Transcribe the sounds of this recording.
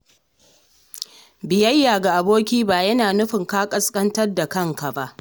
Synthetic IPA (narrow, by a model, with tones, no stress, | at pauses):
bɪ˨jɐ˦jːaː˨ɡa˨ʔa˨boː˦kʲiː˦baː˨jɐ˦naː˨nʊ˦ɸɪ˨ŋkaː˦kʼɐ˦skʼɐ˦ntɐ˦rda˨kɐ˦ŋka˨ba˦ʔ